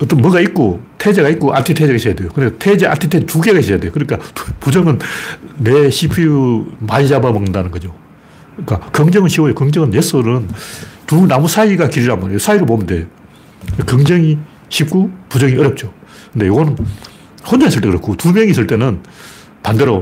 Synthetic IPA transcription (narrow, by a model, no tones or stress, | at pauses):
ʌt͈ʌnmʌɡait̚k͈otʰed͡ʑeɣait̚k͈oʔa̰tʰitʰed͡ʑeɡaisʰʌjade̞jokɯndetʰed͡ʑeʔa̰tʰitʰetuɡeɡaiɕsʌjadejokɯɲik͈apud͡ʑʌŋɯnː | eɕʰipʰijumaid͡ʑabamʌŋndanɯnɡʌd͡ʑo | k͈akʌŋd͡ʑʌŋɯnɕʰiwojokʌŋd͡ʑʌŋɯnjes͈ʰɯnɯntunamusʰaiɡakiɾiɾanmbaɾejosʰaiɾɯɭpomndejo | kʌŋd͡ʑʌŋi | ɕʰip̚k͈upud͡ʑʌŋiʌɾjʌp̚t͡ɕ͈o | kɯnd̪e̞joɡʌnɯn | hond͡ʑaŋesʰɯɭt͈ekɯɾjʌkʰutumjʌŋisʰɯɭt͈e̞nɯn | pandeɾo